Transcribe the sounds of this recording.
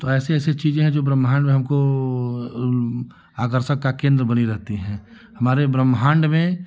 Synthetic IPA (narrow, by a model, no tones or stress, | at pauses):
t̪oɛːseɛːset͡ʃiːzẽɦɛ̃d͡ʒoːbɾəmɦãːɳɖmẽɦɐmko | aːkəɾʃəkːakẽːnd̪ɾəbɐniɾɛɦt̪iɦɛ̃ː | hɐmaːɾebɾəmːɦãːɳɖmẽ